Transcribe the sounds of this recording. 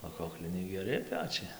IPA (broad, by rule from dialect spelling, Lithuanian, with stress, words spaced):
oː ˈkoːklʲɪnʲɛɪ ɡʲɛˈrʲɪ ˈpʲæːt͡ʃʲɛɪ